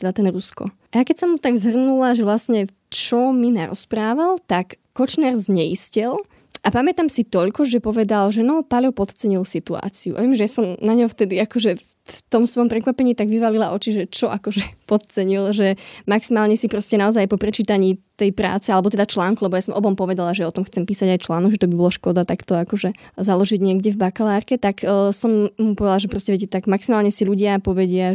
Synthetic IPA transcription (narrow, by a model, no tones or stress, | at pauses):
t̪ɛd̪at̪ɛnɾuskɔ̰ | ʔajakɛcsɔmːut̪aɡzɦr̩nulaʒɛʋlasɲɛ | t͡ʃɔminaɾɔ̰spɾaːʋalt̪akːɔt͡ʃnɛɾzɲɛiscɛl | ʔapamɛt̪amsit̪ɔʎkɔʒɛpɔʋɛd̪alʒɛnɔpaʎɔpɔt̪t͡sɛɲilsit̪ua̰ːt͡siṵʔa̰ʋijɛmʒɛjasɔmnaɲɦɔft̪ɛd̪iakɔʒɛ | ft̪ɔmsʋɔjɔmpɾɛkʋapɛɲiːt̪aɡʋiʋalilaʔɔt͡ʃiʒɛt͡ʃɔʔakɔʒɛpɔt̪̚t͡sɛɲilʒɛmaksimaːlɲɛsipɾɔscɛnaɔzajapɔpɾɛt͡ʃiːt̪aɲiːt̪ɛjpɾa̰ːt͡sɛalɛbɔt̪ɛd̪at͡ʃlaːŋkulɛbɔjasɔmɔbɔmpɔʋɛd̪alaʒɛɔt̪ɔmxt͡sɛmpiːsaɟajt͡ʃlaːnɔɡʒɛt̪ɔbibɔlaʃkɔd̪at̪akt̪ɔakɔʒɛzalɔʒiɟɲɪɛɡɟɛvbakalaːɾkɛt̪akːsɔmːupɔʋɛd̪alaʒɛpɾɔscɛʋɛɟt̪aɡmaksimaːlɲɛsiʎuɟɪapɔʋɛɟɪa